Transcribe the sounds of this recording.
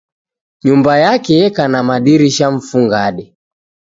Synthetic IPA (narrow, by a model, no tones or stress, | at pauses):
ɲumbajakɛkanamaɗiɾiʃaɱ̩fuŋɡaɗɛ